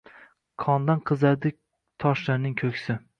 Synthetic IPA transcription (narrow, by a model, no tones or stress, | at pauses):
kʰɒnd̪anqʰɨzad̪ɪ | t̪ʰɒʃlaɾnɪŋkʲʰɵkʲsɪ